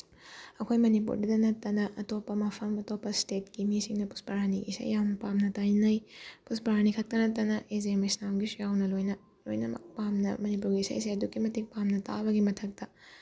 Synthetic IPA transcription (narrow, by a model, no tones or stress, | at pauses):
ɐkʰojmɐnipṵɾdɐdɐnɐtːɐnɐʔɐtopːɐmɐpʰɐmɐtopːɐstet̚kimisiŋnɐpu̥spɐɾɦaniɡḭsa̰jːawnɐpamnɐtajnɐjpuspɐɾhanikʰɐk̚tɐnɐt̬ɐnɐʔezemisnamɡisujawnɐlojnɐ | lojnɐ̰mɐ̰pamnɐ̰mɐnipuɾɡiːsa̰jisajɐdukːimɐtik̚pamnɐta̰bɐɡimɐtʰɐk̚tɐ